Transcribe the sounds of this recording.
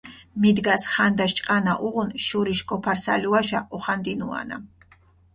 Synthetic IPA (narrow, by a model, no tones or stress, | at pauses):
mid̪ɡasχand̪aʃt͡ʃʼqʼanaʔuʁunʃuɾiʃkʼɔpʰaɾsa̰luaʃaʔɔχand̪inua̰na̰